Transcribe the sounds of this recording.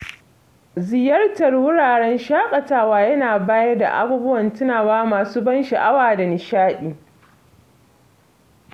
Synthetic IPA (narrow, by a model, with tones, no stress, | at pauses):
zɪ˨jɐ˦rtɐ˨rwʊ˦ɽaː˨ɽɛ˦nʃaː˦kʼɐ˨taː˦˨waː˦jɐ˦naː˨baː˦jɐ˦rda̰˨ʔa̰˦buː˦bʊ˦wɐ˨ntʊ˦naː˨waː˦maː˨suː˦bɐ˦nʃɐ˨ʔa˦waː˨da˨nɪ˨ʃaː˦ɗiː˨